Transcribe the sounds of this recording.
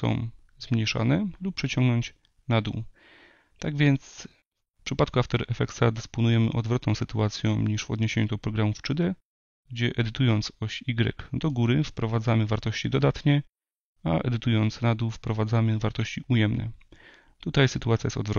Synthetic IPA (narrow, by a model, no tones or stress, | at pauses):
sɔ̰̃w̃ | zmɲejʂa̰nɛlup̚pʂɛt͡ɕɔ̃ŋɡnɔɲt͡ɕ | nad̪uw | t̪aɡvʲjɛnt̪s | fpʂɘpat̪kuaft̪ɔɾɛfɛk̪sad̪ɛspɔnujɛmɘ̰ʔɔd̪vɾɔt̪nɔ̃w̃sɘt̪uat̪sʲjɔ̃w̃ɲiʂvɔ̰d̪ɲeɕeɲud̪ɔpɾɔɡɾamuft͡ʂɨd̪ɛ | ɡ̚d͡ʑɛʔɛd̪ɘt̪ujɔnt̪sɔɕiɡɾɛ̰kd̪ɔɡuɾɘfpɾɔvad̪zamɘvaɾt̪ɔɕt͡ɕid̪ɔd̪at̪ɲɛ | aʔɛ̰d̪ɘt̪ujɔnt̪snad̪uwfpɾɔvad̪zamɘvaɾt̪ɔɕt͡ɕiʔujɛmnɛ̰ | t̪ut̪ajsɘt̪uat̪sʲjajɛst̪ɔd̪vɾɔ